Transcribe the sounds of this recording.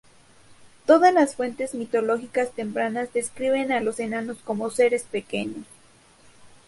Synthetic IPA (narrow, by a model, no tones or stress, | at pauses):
t̪o̞ðazlasfwe̞nt̪e̞zmit̪o̞lo̞xikast̪e̞mpɾanazðe̞skɾiβe̞nalo̞senano̞sko̞mo̞se̞ɾe̞spe̞ke̞ɲos